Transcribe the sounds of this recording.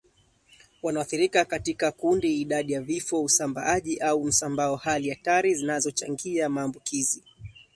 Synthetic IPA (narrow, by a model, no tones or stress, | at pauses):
wanawaθiɾikakatikakundiːɗaɗijavifɔusamba̰aʄiʔaum̩sambaɔhalijataɾizinazɔt͡ʃaŋɡiamaːmbukizi